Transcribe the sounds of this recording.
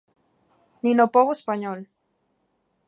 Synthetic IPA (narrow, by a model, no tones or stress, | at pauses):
ninopoɣoespaɲol